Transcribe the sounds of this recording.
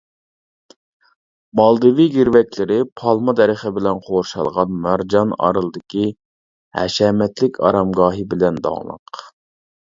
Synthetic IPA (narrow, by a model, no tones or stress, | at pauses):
mɑlˠd̪ɨviɡʲiɾvɛkʲlɪɾɪpʰɑlˠmɑd̪ɛɾəχəbɪlɛnqʰoɾʃɑ̰lˠʁɑnmæɾd͡ʒɑnɑ̰ɾɨlˠɨd̪ɪkʲi | hɛ̰ʃɛmɛt̪lɪkʲʰɑ̰ɾɑmɡɑːɦɨbɪlɛnd̪ɑ̰ŋlˠə̰q